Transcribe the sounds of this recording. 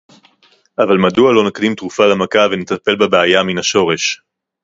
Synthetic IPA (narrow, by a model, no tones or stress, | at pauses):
ʔavalmadualo̞nakdimt̪ʁufalamakavenet̪ape̞lbabeajaminaʃo̞ʁe̞ʃ